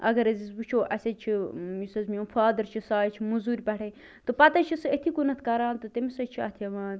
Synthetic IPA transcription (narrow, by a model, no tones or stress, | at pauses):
ɐ̰ɡɐɾɐzisbut͡ʃʰoːʔɐsʲɐt͡ʃʰijisɐzmʲõːfʰaːd̪ɐɾt͡ʃʰisaːjt͡ʃʰimuzuːɾʲpɐʈʰe | t̪ɨpɐt̪ɐt͡ʃʰisɨet̪ʰikunɐt̪ʰkɐɾaːnt̪ɨt̪emisɐt͡ʃʰiɐ̰t̪ʰɐʋaːn